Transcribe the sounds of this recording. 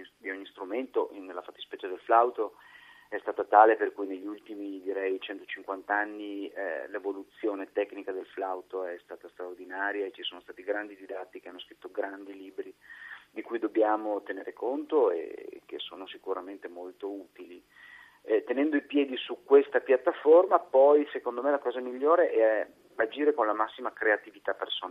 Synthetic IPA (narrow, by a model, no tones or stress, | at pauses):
d̪ioɲːist̪ɾument̪oʔinelːafat̪ːispɛt͡ʃːad̪elflawt̪oɛst̪aːt̪at̪aːleperkujneʎːiult̪imid̪iɾɛjt͡ʃɛnt̪o̥t͡ʃiŋkwant̪aanːilevolut̪sːjoːnet̪ɛknikad̪elflawt̪oɛst̪aːt̪ast̪ɾaord̪inaːɾjaet͡ʃisoːnost̪aːt̪iɡɾand̪id̪id̪at̪ːik̟eanːoskɾit̪ːoɡɾand̪iliːbɾid̪ikujd̪objaːmot̪eneːɾekont̪oḛk̟ːesːo̰ːnosikuɾament̪emolt̪ouːt̪ili | t̪enɛnd̪oipjɛːd̪isukwest̪apjat̪ːaformapɔjsekond̪omelakɔːzamiʎːoːɾeʔɛ | ad͡ʒiːɾekonlamasːimakɾeat̪ivit̪apːersona